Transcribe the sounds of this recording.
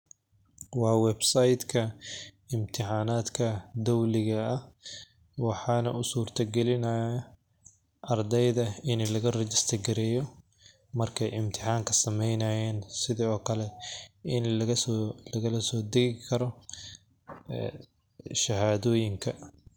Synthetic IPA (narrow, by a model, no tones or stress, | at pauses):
wɑːwɛbsɐjd̪kʰɐ | ɪmt̪ʰɪħɑːnaːd̪kʰɐd̪ɔwlɪɣɐɐh | wɑħɑːnɐ̰ʔʊsuːrt̪ʰɐɡɛlɪnɐɐ | ʔɐrd̪ɛjðɐɪnɛlɐɣɐrɛt͡ʃɪst̪ʰɐrɡɛɾɛːjɔ | mɐrkʰɛjɪmt̪ʰɪ̥ħɑːŋkʰɐsɐmɛjnɐjɛːnsɪðiːɔːkʰɐlɛɪnlɐɐslɐɣɐlɐsɔːd̪ɛɣɪkʰɐɾɔ | ʃɐɦaːðɔːjɪŋkʰɐ